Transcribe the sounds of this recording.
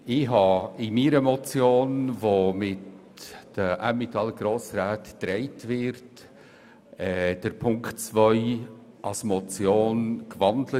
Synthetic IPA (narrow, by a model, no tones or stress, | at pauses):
ɪɦɑɪmiːɾəmɔt͡sjoːnvomɪt | d̥əʔæmit̪ʰɑlɡ̥ɾoːsraːtd̥ɾɛɪtvɪɾt | ɛd̥əɾpʰʊŋktt͡svœʏ | ʔɑsmɔt͡sjoːnkvɑndlə